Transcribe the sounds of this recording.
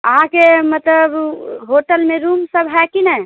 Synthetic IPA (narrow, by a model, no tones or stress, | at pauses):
əɦãkemət̪ləbɦoʈəlmeɾumsəbɦɛkinəj